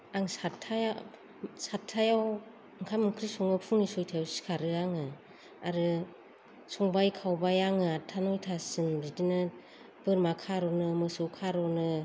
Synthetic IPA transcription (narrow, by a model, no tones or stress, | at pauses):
aŋsatʰːaj | satʰːajaw | aŋkʰamɯkʰɾisɔŋɯpʰuŋnisɔjtʰawsi̥kʰaɾɯaŋɯ | aɾɯ | sɔŋbajkʰawbajaŋɯatʰanɔjtʰasɯmɾidinɯ | b̥ɯɾmakʰaɾɔnɯmɯsɯkʰaɾɔnɯ